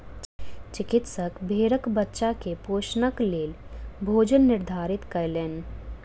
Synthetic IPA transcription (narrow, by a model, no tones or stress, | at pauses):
t͡ʃɪkɪt̪səkbʱeːɾəkbətːʃakepoːʃnəkleːlbʱoːd͡ʒənːɪɾd̪ʱaːɾɪt̪kɐjlen